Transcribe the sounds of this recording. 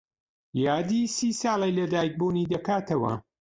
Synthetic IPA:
jaːd̪isiːsɑːlˠejlɐd̪aːjk̚buːniːd̪ɐkaːt̪ʰɐwɐ̰

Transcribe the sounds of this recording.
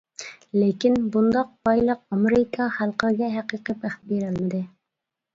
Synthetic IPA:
lekʲinbund̪ɑq̚bɑjlˠəqɑmeɾɪkʰɑχælˠqəɾɨɡʲɛɦæqijqəpæχbeɾɪlmɪd̪ɪ

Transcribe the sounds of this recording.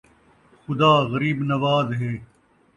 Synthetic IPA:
xʊd̪aːɣɐɾiːbnɐʋaːzɦeː

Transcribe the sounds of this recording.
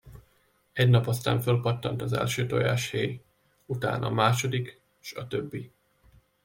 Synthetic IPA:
ɛɟnɒpɒst̪a̰ːɱfølpɒt̪ːɒnt̪ɒzɛ̰lʃøːt̪oja̰ːʃheːj | ut̪a̰ːnʔɒmaːʃo̞d̪ik | ʃɒt̪øbːi

